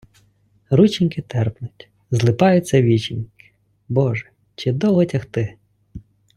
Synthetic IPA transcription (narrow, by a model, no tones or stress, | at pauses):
ɾut͡ʃinʲkɪt̪ɛrpnʊtʲ | zlˠɪpɑjʊt͡sʲːɐʋʲit͡ʃinʲkɪ̥ | bɔʒɛ | t͡ʃɪd̪ɔlˠɦɔtʲɐxt̪ɪ